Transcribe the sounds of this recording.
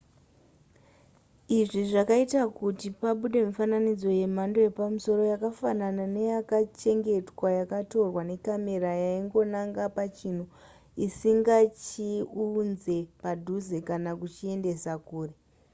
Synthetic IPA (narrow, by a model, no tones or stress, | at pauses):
iʐiʐakaitakutipaɓuɗe̞mufananid͡zo̞je̞m̤ando̞je̞pamuso̞ɾo̞jakafananane̞jakat͡ʃe̞ŋɡe̞twajakato̞rwane̞kame̞ɾajaiŋɡo̞naŋɡapat͡ʃin̤u | isiŋɡat͡ʃiunze̞padʱuze̞kanakut͡ʃie̞nde̞sakuːre̞